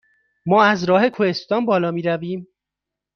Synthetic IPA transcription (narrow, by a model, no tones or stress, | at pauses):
mɒːæzɾɒːhe̞kʰohe̞st̪ɒːnbɒːlɒːmiːɾæviːm